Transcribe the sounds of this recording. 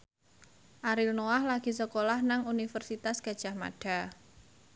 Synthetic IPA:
ʔaɾilnowahlaɡ̥i̤səkolahnaŋunifərsit̪asɡ̥a̤d̥ʒ̥a̤hma̰ɖ̥a̤

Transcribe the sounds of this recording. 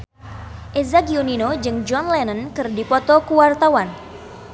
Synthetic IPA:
ʔezakiuninod͡ʒɨŋd͡ʒɔnlɛnənkɨrdipɔt̪ɔkuwart̪awan

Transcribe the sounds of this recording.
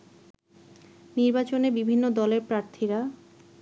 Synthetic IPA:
niɾbat͡ɕonebibʱinːod̪ɔleɾpɾaɾt̪ʰiɾa

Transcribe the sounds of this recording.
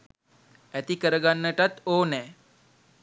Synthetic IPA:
ɛt̪ikəɾəɡanːəʈat̪onɛ

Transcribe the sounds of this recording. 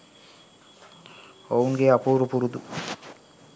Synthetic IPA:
owuŋɡeːapuːɾupuɾud̪u

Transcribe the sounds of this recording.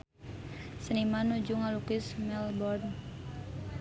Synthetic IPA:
sənimanud͡ʒuŋalukɪsmɛlbɔrn

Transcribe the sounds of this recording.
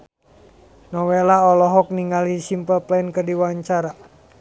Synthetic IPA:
nɔwelaɔlɔɦɔk̚niŋalisimpəlplɛnkərdiwaɲt͡ʃaɾa

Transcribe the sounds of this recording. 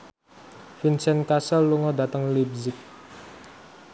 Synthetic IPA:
finsɛnkasəluŋɔd̪a̤t̪əŋlib̚zɪk̚

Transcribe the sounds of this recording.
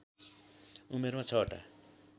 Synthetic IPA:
umeɾmãt͡sʰʌʈa̰

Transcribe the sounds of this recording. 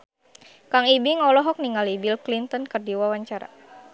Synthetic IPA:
kaŋibiŋɔlɔɦɔk̚niŋalibilklint̪ɔnkərdiwawaɲt͡ʃaɾa̰

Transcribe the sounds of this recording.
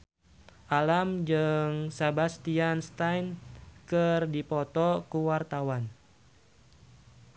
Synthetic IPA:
ʔalamd͡ʒɨŋsabast̪ianst̪ajnkɨrdipɔt̪ɔkuwart̪awan

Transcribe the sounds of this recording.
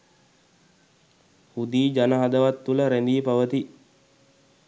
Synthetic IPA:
hud̪iːd͡ʒanəɦad̪əʋat̪ːuləɾænd̪iːpaʋət̪i

